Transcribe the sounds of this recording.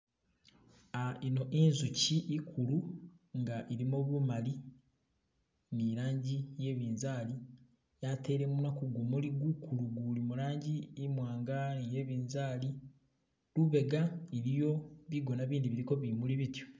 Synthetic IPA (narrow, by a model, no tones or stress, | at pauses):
aino̞ʔinzuciʔikʰuluŋɡaʔiɾimoβumali | niɾaːɲɟije̞ːβiːnzaːli | jatʰe̞ːɾe̞munakuɡumuliɡukuluɡulimuɾaːɲɟiːmwaːŋɡanije̞βiːnzaːli | luβe̞ɡaiɾijo̞βiɡo̞naβiːndiβiɾiko̞βimuliβitjo̥